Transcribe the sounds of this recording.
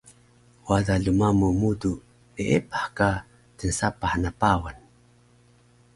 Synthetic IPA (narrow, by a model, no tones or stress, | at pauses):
wadaɮumamumudu | neʔepahka | tənsapaħnapawan